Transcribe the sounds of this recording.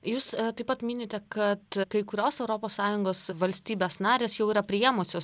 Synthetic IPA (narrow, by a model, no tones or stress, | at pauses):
juːst̪ɐɪpːɐt̪mʲɪnʲeːt̪ʲɛkɐt̪kɐɪkʊɾʲoːsɛʊɾoːpoːsːɑːjʊŋɡoːsʋɐlʲsʲt̪ʲiːbʲeːsnɑːɾʲeːsjɛʊiːɾɐpʲɾʲɪjeːmʊsʲoːs